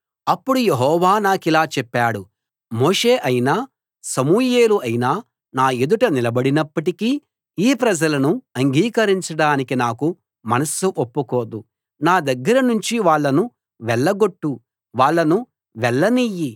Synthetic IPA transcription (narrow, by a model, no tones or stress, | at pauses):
ɐpːuɽujeɦɔːʋaːnaːkilaːt͡ʃɛpːaːɽu | moːʂe̞ːʔɐjinaː | sɐmuːje̞ːluɐjinaː | naːed̪uʈɐnilɐbɐɽinɐpːɐʈiki | iːpɾɐd͡ʒɐlɐnuɐŋɡiːkɐɾiɲt͡ʃɐɽaːnikinaːku | mɐnɐsuʔopːukoːd̪u | naːd̪ɐɡːɐɾɐnuɲt͡ʃiʋaːɭːɐnu | ʋɛɭːɐɡo̞ʈːu | ʋaːɭːɐnu | ʋɛɭːɐniji